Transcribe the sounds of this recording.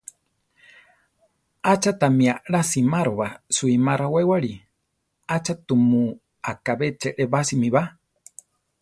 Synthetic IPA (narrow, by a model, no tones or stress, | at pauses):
at͡ʃat̪amiaɺasimaɾoβasuimaɾawewaɾi | at͡ʃat̪umu | akaβet͡ʃeʔeβasimiβa